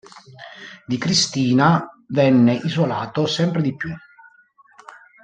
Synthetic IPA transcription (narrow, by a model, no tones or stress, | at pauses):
d̪ikɾist̪iːna | vɛnːeʔizolaːt̪osɛmpɾed̪ipːju